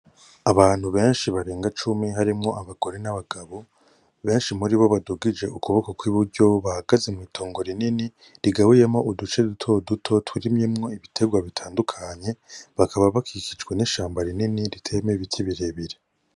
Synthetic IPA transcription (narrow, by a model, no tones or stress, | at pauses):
aβaːn̥huβe̞ːnʃiβaɾe̞ːŋɡat͡ʃumiɦaɾimŋo̞ʔaβaɡ̥o̞ɾe̞naβaɡaβo̞ | βe̞ːnʃimuɾiβo̞βaduɡid͡ʒe̞ʔukuβo̞kokwiβuɾɟo̞βahaɡaze̞muiːtʰo̞ːŋɡo̞ɾinini | ɾiɡawujemoʔudut͡ʃe̞dutʰo̞dutʰo̞tʰwuɾimjemŋo̞iβitʰe̞ɡwaβitʰaːndukʰaɲe̞βakʰaβaβakʰikid͡ʒɡwe̞niʃaːmbaɾininiɾitʰe̞meβitʰiβiɾeβiɾe